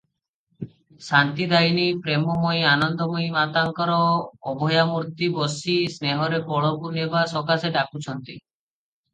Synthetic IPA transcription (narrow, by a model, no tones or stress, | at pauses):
sant̪id̪ajnipɾemɔmojanɔnd̪ɔmojmat̪aŋkɔɾɔːbʱɔjamuɾt̪ibɔsisneɦɔɾepɔɭɔkunebasɔkaseɖakut͡ʃʰɔnt̪i